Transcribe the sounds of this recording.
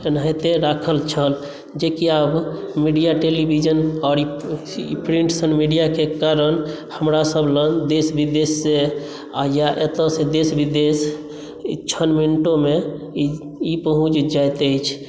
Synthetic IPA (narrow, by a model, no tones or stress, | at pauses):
naɦjt̪eɾakʰəlt͡ʃʰəl | d͡ʒekiabmiɖijaʈelibʱid͡ʒənɔːɾi | pɾiɳʈsənmiɖijakekaɾən | həmɾasəbʱlənd̪esbid̪esːe | ajaʔet̪ə̃sed̪esbid̪es | t͡ʃʰənminʈome | ipəɦũt͡ʃd͡ʒajt̪əjt͡ʃʰ